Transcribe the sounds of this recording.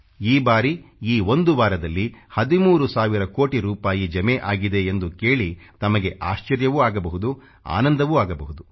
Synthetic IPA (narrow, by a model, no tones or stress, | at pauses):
iːbaːɾiiːo̞nd̪uʋaːɾɐd̪ɐlːihɐd̪imuːɾusaːʋiɾɐkoːʈiɾuːpaːjid͡ʒɐmeʔaːɡid̪e̞ːnd̪ukeːɭit̪ɐmɐɡe̞ʔaːʃt͡ʃɐɾjɐʋuaːɡɐbɐɦud̪u | a̰ːnɐnd̪ɐʋuaːɡɐbɐɦud̪u